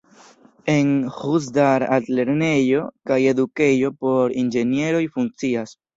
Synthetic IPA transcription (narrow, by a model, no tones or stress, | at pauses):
e̞nhus̬daɾa̰tle̞ɾne̞jo̞kaje̞duke̞jo̞po̞ɾind͡ʒe̞nie̞ɾo̞jfuŋk̚t͡sias